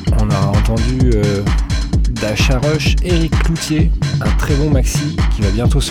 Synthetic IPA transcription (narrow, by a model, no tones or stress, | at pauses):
ɔ̃nɔʁaɑ̃t̪ɑ̃d̪yø | d̪aʃaʁɔʃeʁikːlut̪jeɛ̃t̪χɛbɔ̃maksikʲivabjɛ̃t̪os